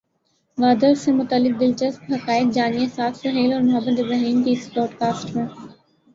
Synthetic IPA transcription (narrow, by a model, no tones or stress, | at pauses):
ɡaːd̪əɾsẽmʊt̪əlːɪk̚d̪ɪlt͡ʃɐst̪ɦɐkaːɪk̪̚d͡ʒaːniesaːt̪ʰsɐɦeːlɔːɾmʊɦəbət̪ɪbɾaɦiːnt̪iɪsbɾɔːɖkaːsʈmẽː